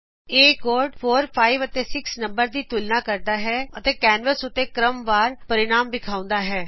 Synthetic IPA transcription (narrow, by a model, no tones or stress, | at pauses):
eːkoːɾɖpʰoːɾpʰaːiːʋət̪eːsɪksnəmbəɾd̪iːt̪ʊlnãːkəɾd̪aːɦɛːət̪eːkɛːnʋəsʊt̪ːeːkɾəmʋaːɾpəɾɪnaːmbɪkʰaːʊ̃nd̪aːɦɛː